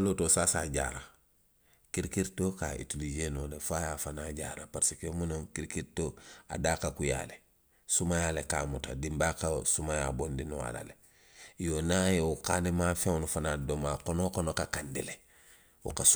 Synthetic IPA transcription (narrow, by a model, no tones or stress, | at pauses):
lotosasa̰ːɟa̰ːɾa | kiɾkiɾtoka̰ḭtulid͡ʒeːnolefajafanaɟa̰ɾapaɾsikomunoŋkiɾkiɾtoːa̰daːkakuja̰le | sumajaleka̰ːmuta̰dimbakasumajabondinuwa̰la̰le | jonajeukaːnemafeŋnufanadomakonokonokakandile | wṵkas